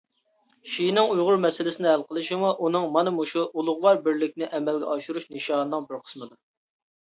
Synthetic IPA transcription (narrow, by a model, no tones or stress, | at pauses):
ʃijnɪŋujʁʊɾmɛsɪlɪsɪnɪhælˠqəlˠɨʃimuʔunɨŋmɑnɨmuʃuʔulˠʊʁlˠɑɾbɪɾlɪk̚ʲnɪʔɛmɛlɡʲɛ̰ʔɑʃuɾuʃnɨʃɑːnɨnɨŋbɪɾqʰə̥smɨd̪u